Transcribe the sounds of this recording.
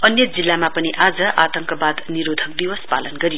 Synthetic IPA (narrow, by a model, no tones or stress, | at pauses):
ʌnjʌd͡zilːamapʌniʔad͡zʌʔat̪ʌŋkʌbad̪niɾod̪ʱʌk̚d̪iwʌspalʌnɡʌɾijo